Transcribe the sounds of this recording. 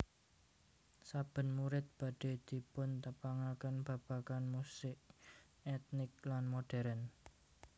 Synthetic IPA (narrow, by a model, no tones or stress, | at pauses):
sab̥ə̤nmuɾɪt̪̚b̥ä̤ɖ̥e̤d̪̥i̤pʊnt̪əpaŋakənb̥a̤b̥akanmusɪʔ | ɛt̪̚nɪk̚lanmoɖ̥ɛ̤ɾən